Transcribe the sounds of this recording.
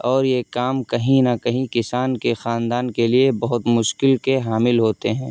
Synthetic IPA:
ɔːɾjekaːmkɐɦĩnɐkɐɦĩkɪsaːnkexaːnd̪aːnkeliebɐɦʊt̪mʊʃkɪlkeɦaːmɪlɦoːt̪eɦɛ̃ː

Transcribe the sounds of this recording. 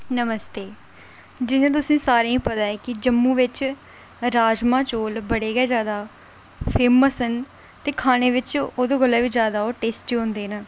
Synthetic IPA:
nəməst̪eː | d͡ʒɪnãːt̪̬ʊsĩːsaːɾeːĩːpət̪aːeːkɪd͡ʒəmːũːʋɪt͡ʃ | ɾaːd͡ʒmãːt͡ʃoːlbəɽeːɡɛːd͡ʒjaːd̪aː | pʰeːməsən | t̪eːkʰaːñeːʋɪt͡ʃoːd̪oːɡəlːaːʋiːd͡ʒjaːd̪aːoːʈeːsʈiɦõːnd̪eːnaː

